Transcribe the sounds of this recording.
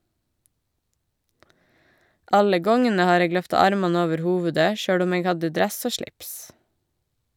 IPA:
ˈʔɑlə ˈɡɔŋənə ˈhɑːɾ ˈeːɡ ˈlœftɑ ˈɑɾmɑnə ˈoːʋəɾ ˈhuːʋʉdə ˈʃøːɽ ˈʊm ˈeːɡ ˈhɑdə ˈdɾɛs ˈoː ˈʃɭɪps

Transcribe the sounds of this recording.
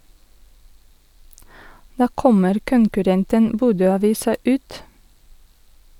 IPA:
ˈdɑː ˈkɔməɾ kʊŋkʉˈɾɛntən ˈbuːdøːɑˌʋiːsɑ ˈʉːt

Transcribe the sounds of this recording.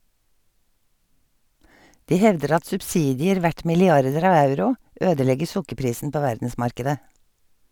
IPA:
ˈdiː ˈhɛʋdəɾ ˈɑt sʉbˈsiːdɪəɾ ˈʋæʈ mɪlɪˈɑɾdəɾ ˈɑːʋ ˈɑʉɾʊ ˈʔøːdəˌlɛɡəɹ ˈsʊkəɾˌpɾiːsn̩ ˈpoː ˈʋæɾdn̩ˌsmɑɾkɛdə

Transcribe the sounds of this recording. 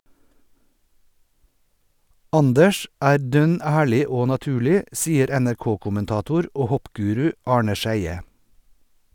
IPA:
ˈɑndəʃ ˈæːɾ ˈdœn ˈæːɭɪ ˈoː nɑˈtʉːɭɪ ˈsiːəɾ ænæɾˈkoːkʊmənˌtɑːtʊɾ ˈoː ˈhɔpˌɡʉːɾʉ ˈɑːɳə ˈʃæɪə

